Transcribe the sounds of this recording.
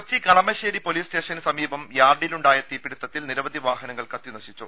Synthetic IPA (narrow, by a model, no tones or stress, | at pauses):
t͡ɕːikɐɳɐmɐɕeːɾipo̞liːsʈe̞ːʂɐnsɐmiːbɐmjaːrɖiluɳɖaːjɐt̪iːpːiɽit̪ːɐt̪ːilniɾɐʋɐd̪ʱiʋaːɦɐnɐŋːɐɭkɐt̪ːinɐɕit͡ɕːṵ